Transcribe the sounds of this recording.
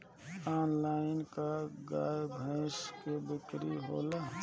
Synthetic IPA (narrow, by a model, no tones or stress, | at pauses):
aːnlaːɪnkaɡa̰ːjbʱə̃ɪskebɪkɾiɦo̰ːla